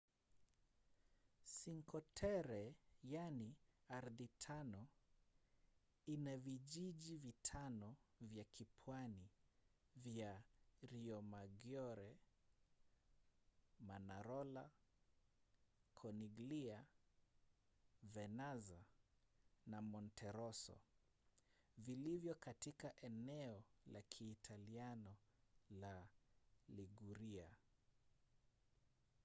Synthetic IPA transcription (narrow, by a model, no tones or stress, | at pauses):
siŋkʰɔtʰɛɾɛjaniaɾðitʰanɔ | inaviʄiʄivitʰanɔvjakipʰwani | vjaɾiɔmaɡjɔɾɛ | manaɾɔla | kʰɔniɡlia | vɛnaza | namɔntʰɛɾɔsɔ̰ | vilivjɔkatikaʔɛnɛɔlakʰiːtʰalianɔla | liɡuɾia